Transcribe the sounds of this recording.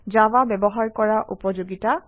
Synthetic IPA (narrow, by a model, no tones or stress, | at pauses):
d͡ʒawabɛbɔɦaɹkɔɹaʔupɔd͡ʒoɡita